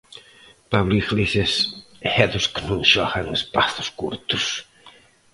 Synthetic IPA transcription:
paβlixlises | ɛðʊsknũŋʃɔɣɐŋespaθʊ̥skuɾt̪ʊ̥s

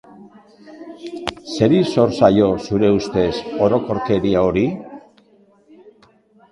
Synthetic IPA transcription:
se̞ɾiso̞ɾsajo̞suɾe̞ust̪e̞so̞ɾo̞ko̞ɾke̞ɾiao̞ɾi

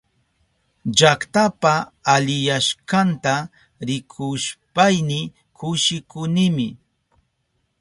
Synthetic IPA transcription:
d͡ʒakt̪apaːʎɪjaʃkant̪a | ɾɪkʰʊʃpajnɪ | kʊʃɪkʊnɪmɪ

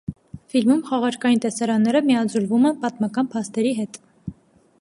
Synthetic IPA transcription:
filmumχɑʁɑɾkɑjint̪ɛsɑɾɑnːɛɾəmiɑd͡zulvumɛpɑt̪mɑkɑnpʰɑst̪ɛɾiɦɛt̪

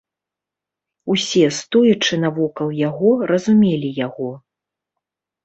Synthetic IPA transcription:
usʲɛst̪ɔjut͡ʂɨnɐvɔkɐlˠjaɣɔɾɐzumʲelʲijaɣɔ

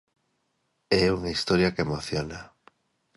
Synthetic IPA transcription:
ɛuŋaist̪oɾjakemoθjona

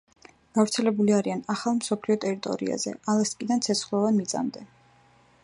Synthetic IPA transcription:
ɡ̥avɾt̪sʰɛlɛbuliaɾianaχalˠmsɔpʰliɔt̪ʼɛɾit̪ʼɔ̰ɾḭa̰zɛ̰alˠast̪ʼkʼid̪ant̪sʰɛt̪sʰχlˠɔvanmit̪sʼa̰md̪ɛ

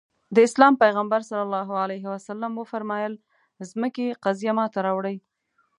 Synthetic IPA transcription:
d̪əɪslɑmpajɣambaɾsalːalːɑɦualajɦɪwasalːamwəfaɾmɑjəl | zməkeqazjamɑt̪aɾɑwɽəj

